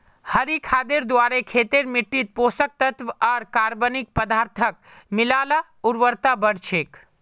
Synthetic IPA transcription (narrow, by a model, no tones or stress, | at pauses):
həɾikʰaːd̪eɾd̪waːɾekʰeːt̪eɾmɪʈːit̪̚poːsək̚t̪ət̪ʋɔːɾkaːɾbənik̚pəd̪aːɾt̪ʰək̚mɪlaːla | uɾʋəɾt̪abəɽt͡ʃʰeːk